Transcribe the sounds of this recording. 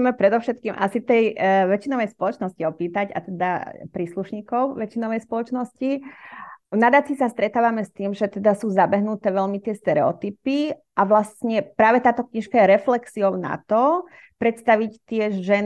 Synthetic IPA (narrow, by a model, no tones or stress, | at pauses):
ɛmɛpɾɛd̪ɔʊʃɛt̪̚kiːmʔa̰sit̪ɛjʋɛt͡ʃinɔʋɛjspɔlɔt͡ʃnɔsciɔpiːt̪aɟa̰t̪ɛd̪apɾiːsluʃɲiːkɔʊʋɛt͡ʃinɔʋɛjspɔlɔt͡ʃnɔsci | nad̪at͡sisast̪ɾɛt̪aːʋamɛst̪iːmʒɛt̪ɛd̪asuːzabɛɦnut̪ɛːʋɛlmit̪ɪɛst̪ɛɾɛɔ̰t̪ipiʔaʋlast̪ɲɛpɾaːʋɛt̪aːt̪ɔkɲiʃkajɛɾɛflɛksiɔʊna̰t̪ɔ | pɾɛt̪st̪aʋict̪ɪɛʒʒɛn